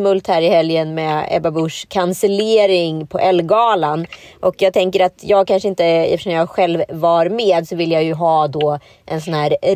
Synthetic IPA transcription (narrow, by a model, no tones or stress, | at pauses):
mɵlt̪hæːɾɪhɛljənmɛɛ̰babʊʂkʰansəleːɾɪŋpʰɔʔɛlːɡɑːlanʔɔkjɑːɡ̚t̪ʰɛŋkəɾat̪jɑːɡ̚kʰanʂəɪnt̪əɛ̰ft̪əʂɔmjɑːɧɛlvːaɾmeːd̪sɔvɪlːjajɵɦɑːd̪ɔː | ʔɛnsɔnhæːɾ